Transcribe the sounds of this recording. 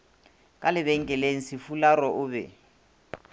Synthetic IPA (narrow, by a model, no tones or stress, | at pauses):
kʼalɪβɛŋ̩kʼɛleŋ̩sɪfularɔʔʊbɛ̰